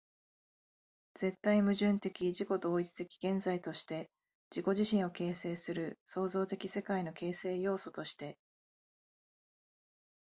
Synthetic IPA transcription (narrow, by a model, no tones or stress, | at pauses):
z̥e̞t̪ːaimɯ̟ʑɨ̃nt̪e̞kʲiʑiko̞d̪o̞ːit͡sɨ̥t̪e̞kʲi̥ɡ̥ẽ̞nzait̪o̞ɕi̥t̪e̞ | d͡ʑiko̞ʑiɕĩɰ̃o̞ke̞ːse̞ːsɨɾɯ̟so̞ːzo̞ːt̪e̞kʲise̞kaino̞ke̞ːse̞ːjo̞ːso̞t̪o̞ɕi̥t̪e̞